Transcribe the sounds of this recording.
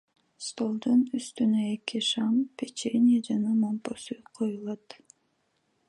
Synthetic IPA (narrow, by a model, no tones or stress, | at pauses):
st̪o̞lˠd̪unyst̪ynøekiʃɑmpʲet͡ʃenʲiad͡ʒɑnɑmomposujqʰo̞julˠɑt̪